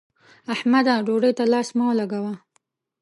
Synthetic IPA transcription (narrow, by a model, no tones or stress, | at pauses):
ahmad̪aɖoɖəjt̪alɑsmɑwlaɡawa